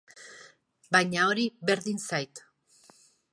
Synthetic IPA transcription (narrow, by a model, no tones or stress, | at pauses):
bajɲao̞ɾiβe̞ɾðinsajt̪